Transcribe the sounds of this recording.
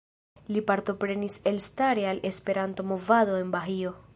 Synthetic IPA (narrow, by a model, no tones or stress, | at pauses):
lipaɾto̞pɾe̞nise̞lstaɾe̞alʔe̞spe̞ɾanto̞mo̞vado̞e̞nbaɦio̞